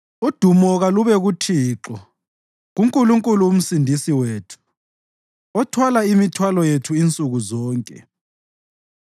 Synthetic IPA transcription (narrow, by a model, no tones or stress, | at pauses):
ud̥ʱumɔɣaluβɛɣutʰiːǁɔ | ɣuŋkʼuluŋkʼuluːm̩sindʱisiweːtʰu̥ | ɔtʰwalaimitʰwalɔjetʰuint͡sʼuɣuzɔːŋkʼɛ̰